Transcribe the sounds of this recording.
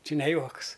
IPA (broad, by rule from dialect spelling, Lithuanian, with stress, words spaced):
ˈt͡ʃʲɪ nʲɛ ˈjuɔks